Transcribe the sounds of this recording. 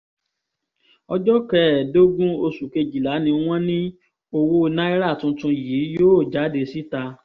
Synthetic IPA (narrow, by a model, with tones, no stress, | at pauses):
ɔ˧d͡ʒɔ˦kɛ˨˦˨do˦ɡũ˦o˧su˨ke˧d͡ʒi˨la˨˦nĩ˧w̃ɔ̃˦nĩ˦ | o˧wo˧nã˦i˦ɾa˦˨tũ˧tũ˧jiː˨˦joː˦˨d͡ʒa˨˦de˧si˦ta˧